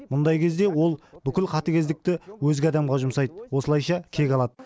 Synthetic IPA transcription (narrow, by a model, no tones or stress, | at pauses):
mʊnd̪ɑjkʲʰe̞zd̪e̞wo̞lˠbʏkʲɪlqʰɑt̪əkʲe̞zd̪ɪk̚t̪ɪwɵzɡʲɪɑd̪ɑmʁɑʒʊmsɑjd̪əwo̞səlˠɑjʃɑkʲʰe̞kʲɑlˠɑd̪ə